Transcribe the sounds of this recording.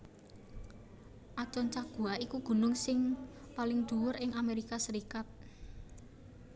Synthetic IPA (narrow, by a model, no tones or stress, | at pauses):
ʔat͡ʃɔnt͡ʃaɡ̥uaikuɡ̥ṳnʊŋsɪŋ | palɪŋd̪̥ṳwʊɾɪŋameɾikasəɾikat̪̚